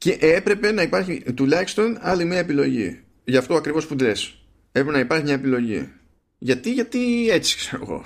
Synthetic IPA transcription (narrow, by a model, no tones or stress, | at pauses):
ce̞ʔe̞pɾe̞pe̞nɐipɐɾçit̪ulɐçist̪o̞nɐlimiɐepilo̞̰ʝḭ | ʝɐft̪oɐkɾivo̞spuðe̞s | epɾepenɐipɐɾçimɲɐe̞pilo̞ʝḭ | ʝɐt̪iʝɐt̪ie̞t͡si̥kse̞ɾoɣo̞̰